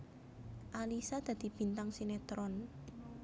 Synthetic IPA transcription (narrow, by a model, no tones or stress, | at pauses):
ʔalisad̪̥ä̤d̪̥i̤b̥i̤nt̪aŋsinet̪ɾɔn